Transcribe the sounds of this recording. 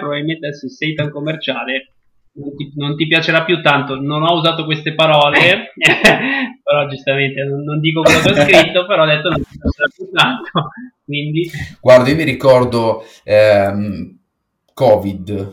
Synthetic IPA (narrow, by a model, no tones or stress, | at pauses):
pɾobavilment̪eɛsːusejt̪aŋkomːert͡ʃaːle | nont̪inont̪ipjat͡ʃeɾapːjut̪ːant̪ononɔuzaːt̪okwest̪epaɾɔːle | peɾɔd͡ʒust̪ament̪enonːond̪iːkokwelːokɛɔskɾit̪ːopeɾɔːd̪et̪ːonont̪ipjat͡ʃeɾapːjut̪ːant̪ʰokwind̪iɡ̥ward̪aiomiɾikɔrd̪o | ɛm | kɔːvid̪